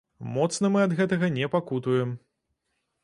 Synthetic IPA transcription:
mɔt̪snɐmɨɐd̪ɣɛt̪ɐɣɐnʲɛpakut̪ujɛm

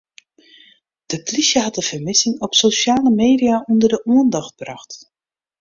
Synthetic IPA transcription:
d̥əpliʃjəɦɑtəv̥əmɪsɪŋɔpsoʃjaːləmeːdiaʔundərdəʔuəndɑxt̚brɑxt

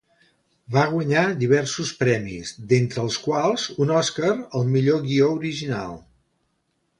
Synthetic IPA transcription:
baɣ̞wəɲad̪iβ̞ɛrsuspɾɛmḭzd̪ent̪ɾəːlˠskwalˠzunɔskəɾəlˠmiʎoɣiouɾiʒina̰lˠ

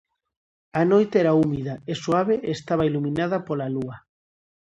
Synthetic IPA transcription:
ɐnojt̪eɛɾaumiðɐeswaβ̞eʔest̪aβailumĩnaðɐpolaluɐ

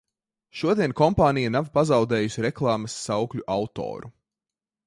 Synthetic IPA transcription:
ʃuɔd̪iɛnkɔmpaːnijanavpazɑwd̪ɛːjusiɾɛklˠɑːmɐsːawkʎʲuʔawt̪ɔ̰ːɾu

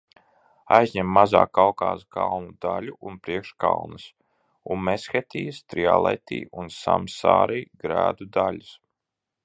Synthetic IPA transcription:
ajzʲɲɛmːazaːkawkaːskawnud̪alʲuʔunpɾiɛkʃkawnɨs | unmɛsxɛt̪iːst̪ɾia̰lˠɛ̰jt̪ḭːunsa̰msaːɾiːɡɾæːd̪ud̪alʲus

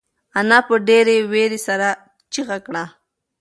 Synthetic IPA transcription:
anapəɖeɾeweɾisaɾa | t͡ʃiɣakɳa

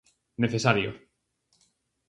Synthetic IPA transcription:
neθesaɾjo̰

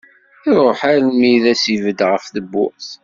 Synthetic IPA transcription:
ɪɾˤoħaɾmiðæsivəd̪ʁəfθəbːʊ̰ʁθ

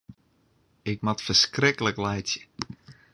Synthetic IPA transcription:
ɪkmatfərskrɪkələklɛjtjə

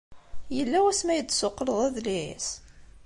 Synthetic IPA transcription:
jəlːæwæsmæjət͡s̪ːsʊqːləðˤæðliḭs

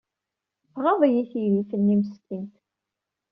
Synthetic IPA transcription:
fʁɑðˤjiθiɾifənːiməst̪int̪

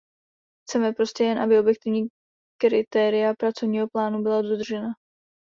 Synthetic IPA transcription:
xt͡sɛmɛpɾo̞scɛjɛnʔabɪo̞bjɛk̚t̪ɪvɲiː | kɾɪt̪ɛːɾɪjapɾat͡so̞vɲiːɦo̞plaːnubɪladod̪r̩ʒɛna

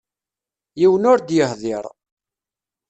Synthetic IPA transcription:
jiwənʊɾd̪jəhðˤɪɾˤ

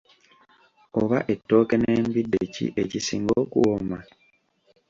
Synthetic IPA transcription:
oβaʔe̞tːo̞ːkeneːmbidːecḭʔecisiːŋɡoːkuwoma

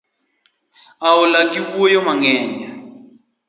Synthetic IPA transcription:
aulakʼikujɔmaŋɛːɲa

